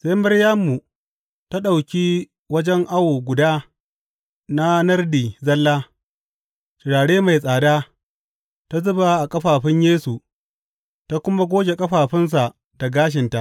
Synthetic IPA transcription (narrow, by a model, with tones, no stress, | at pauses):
seː˦mɐ˦ɽja˦mːu˨ | ta˦ɗa˨wkʲiː˦ | wɐ˦d͡ʒɛ˦ŋʔa˦wo˨ɡʷʊ˨daː˦ | na˦nɐ˦rdiː˨zɐ˦lːaː˦ | ʃɪ˨ɽaː˨ɽeː˦ma˨jsʼaː˨daː˦ | ta˦zʊ˦ba˨ʔa˨kʼɐ˦ɸaː˨ɸɪ˦ɲjeː˦su˨ | ta˦kʷʊ˦ma˦ɡʷoː˦ɡʲe˨kʼɐ˦ɸaː˨ɸɪ˦ns̬a˨ʔ | da˨ɡaː˦ʃ̬ɪ˨nta˦ʔ